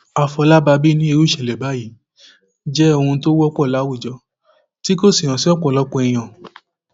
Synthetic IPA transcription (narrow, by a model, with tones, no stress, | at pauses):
a˨fɔ˧la˦ba˧bi˦nĩ˦i˧ɾu˦ʃɛ˨lɛ˨ba˨˦ji˨˦ | d͡ʒɛ˦o˧ũ˧to˦wɔ˦k͡pɔ˦˨la˨˦wu˦˨d͡ʒɔ˧˦ | ti˦ko˦˨si˨ɾ̃ã˨si˦ɔ˦˨k͡pɔ˨lɔ˦k͡pɔ˧ɛ˧j̃ã˨